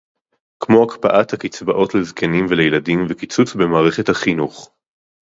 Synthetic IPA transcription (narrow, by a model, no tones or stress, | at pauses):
kmo̞akpaʔathakit͡sbaʔo̞tlezkʰenimvelejeladimvekit͡sut͡sbemaːʁe̞χethaχinuχ